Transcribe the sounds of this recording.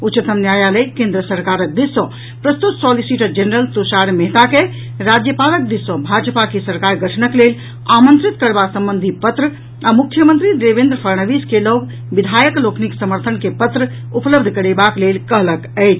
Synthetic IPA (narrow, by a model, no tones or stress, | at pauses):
utːt͡ʃət̪əmnjajaləjkẽnd̪ɾəsəɾkaɾək̚d̪isːɔ̃ | pɾəst̪ut̪sɔlisiʈəd͡ʒenəɾəlt̪usaɾmeɦt̪ake | ɾad͡ʒjəpalək̚d̪isə̃bʱad͡ʒəpakesəɾkaɾɡəʈʰnəklel | amə̃nt̪ɾit̪kəɾbasə̃mbənd̪ʱipət̪ɾə | amukʰjəmənt̪ɾid̪ebẽnd̪ɾəpʰəɾɳəʋiskeloɡ | bid̪ʱajəklokʰniksəməɾt̪ʰənkepət̪ɾə | upləbd̪ʱkəɾebaklelkəɦləkəjt͡ʃʰ